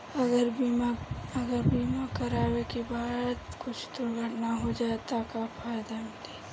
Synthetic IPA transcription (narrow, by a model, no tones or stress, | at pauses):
ɐɡəɾ | ɐɡəɾbiːmakɐɾaːwekebaːd̪kʊt͡ʃʰd̪ʊɾɡʱəʈnaɦod͡ʒaːt̪akafaːjd̪amd̪eː